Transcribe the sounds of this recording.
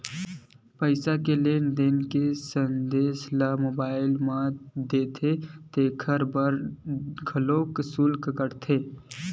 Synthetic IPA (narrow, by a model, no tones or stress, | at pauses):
pəɪsakelend̪eːnkesənd̪eːslamoːbaːɪlmãd̪eːt̪ʰet̪eːkʰəɾbəɾɡʱəlõːksʊlkkəɾt̪ʰeː